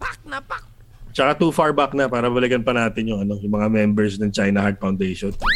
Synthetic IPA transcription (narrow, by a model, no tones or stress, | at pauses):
bak̚nɐpa | t͡ʃɐkat̪uːfaɹbak̚nɐpaːɾɐbabɐlɪkɐnpɐnaːt̪ɪnjʊŋɐno̞jʊŋmɐŋamɛmbɛɹsnɐŋt͡ʃajnɐhaɹd̪̚fawnd̪ejʃon